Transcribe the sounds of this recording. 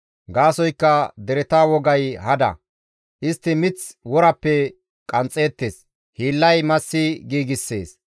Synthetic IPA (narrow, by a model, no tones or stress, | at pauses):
ɡaːsɔjkːɐd̪ɛɾɛt̪aːwɔɡɐjhɐd̪ɐ̰ | ʔɪst̪ːɪmɪt͡swɔɾɐpːɛ | kʼɐnt͡sʼːe̞ːt̪ːeːs | hiːlːɐjmɐsːɪɡiːɡɪsːe̞ːs